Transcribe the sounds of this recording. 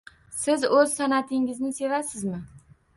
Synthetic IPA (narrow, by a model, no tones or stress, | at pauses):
sɪzɵz̥sanat̪ʰɪŋɪznɪse̞vasɪzmɪ